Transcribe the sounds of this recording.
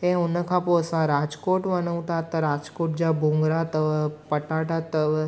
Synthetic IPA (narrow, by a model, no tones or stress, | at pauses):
ẽʊnəkʰapoəsãɾad͡ʒkoʈʋənəũt̪at̪əɾad͡ʒkoːʈ̚d͡ʒabõŋɡɾat̪əpəʈaʈat̪ə